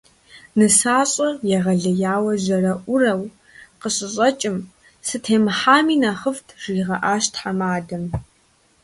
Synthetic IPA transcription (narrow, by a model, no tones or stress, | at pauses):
nɨsaːɕʼɐjɛʁɐɮɐjaːwɐʑɐrɐʔʷʊrɐw | qəɕʼɪɕʼɐt͡ʃʼɪm | sɨtʰeːmɨħaːmiːnaχəftʰʐ̥iːʁɐʔaːʃtʰħamaːdɐm